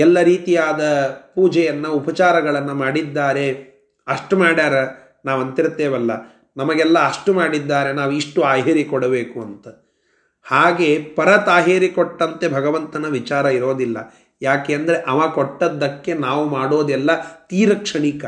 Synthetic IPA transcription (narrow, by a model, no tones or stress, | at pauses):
ɛlːɐɾiːt̪ijaːd̪ɐpuːd͡ʒɛjɐnːɐupɐt͡ʃaːɾɐɡɐɭɐnːɐmaːɽid̪ːaːɾe̞ | ɐʂʈumaːɽaːɾɐ | naːʋɐnt̪iɾt̪ːeːʋɐlːɐ | nɐmɐɡɛlːɐːʂʈumaːɽid̪ːaːɾe̞naːʋuiʂʈuaːɦeːɾikɔɽɐbeːkuɐnt̪ɐ | haːɡe̞pɐɾɐt̪aːɦeːɾikɔʈːɐnt̪ebʱɐɡɐʋɐnt̪ɐnɐʋit͡ʃaːɾɐiɾo̞ːd̪ilːɐ̰ | jaːkejɐnd̪ɐɾeʔɐʋaːkoʈːɐd̪ːɐkːe̞naːʋumaːɽoːd̪ɛlːɐt̪iːɾɐkʂɐɳikɐ